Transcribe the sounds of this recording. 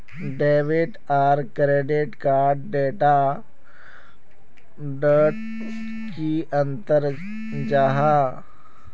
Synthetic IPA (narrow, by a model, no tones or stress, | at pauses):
ɖeʋiʈ | aɾkɾeɖiʈkaɾɖɖeʈa | ɖəʈ | kiʔənt̪əɾ | d͡ʒaɦa